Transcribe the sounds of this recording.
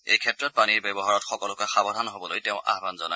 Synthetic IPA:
ejkʰɛtɹɔt̚paniɹbɛbɔɦaɹɔtxɔkɔlʊkaxabɔdʱanɦobɔlojtɛʊ̃ʔa̰ɦbanzɔna

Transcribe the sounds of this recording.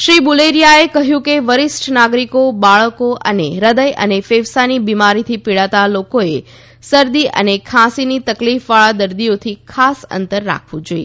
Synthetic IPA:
ʃɾibuleɾijaekəɦjũkeʋəɾɪsʈʰnaɡɾikobaɭəkoʔə̰neɾəd̪əjʔə̰nefeʋsanibimaɾit̪ʰipiɭat̪alokoe | səɾd̪iʔə̰nekʰãsinit̪əklifʋaɭad̪əɾd̪ijot̪ʰikʰasə̰nt̪əɾːa̰kʰʋũd͡ʒoi

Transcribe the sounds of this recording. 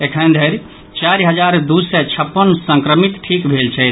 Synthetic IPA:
ekʰənd̪ʱəɾ | t͡ʃaɾɦəd͡ʒaɾd̪usɛt͡ʃʰəpːənsə̃ŋkɾəmit̪ʈʰikbʱelt͡ʃʰɛt̪

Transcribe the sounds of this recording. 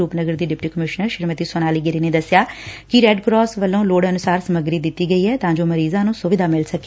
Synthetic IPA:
uːpnəɡəɾd̪iːɖɪpʈiːkəmɪʃnəɾʃɪɾmət̪iːsonaːliːɡɪɾiːneːd̪əsɪjaːkɪɾɛːɖkɾɔːsʋəlːõːloːɽənʊsaːɾsəməɡɾiːd̪ɪt̪ːiːɡəiːɦɛːt̪ãːd͡ʒoːməɾiːzãːnũːsʊʋɪd̪aːmɪlsəkː

